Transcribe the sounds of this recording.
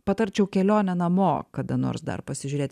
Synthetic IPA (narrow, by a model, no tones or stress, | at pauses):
pɐt̪ɐɾʲt͡ʃʲɛʊkʲɛlʲoːnʲɛnɐmoːkɐd̪ɐno̰ːɾsd̪ɐ̰rpɐsʲɪʒʲʊɾʲeːt̪ʲ